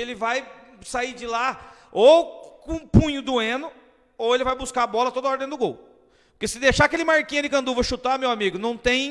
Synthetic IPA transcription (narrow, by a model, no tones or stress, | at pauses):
elɪvaj | said͡ʒɪlaowkõpũɲʊd̪ʊẽnʊ | owelɪvajbuskaabɔlɐt̪od̪ɐɔɾd̪ẽj̃d̪ʊɡowʊ | pʊɾkesɪd̪ejʃaɐkelɪmaɾkĩɲɐd̪ɪkɐ̃nd̪uvɐʃut̪amewamiɡʊnɐ̃w̃t̪ẽj̃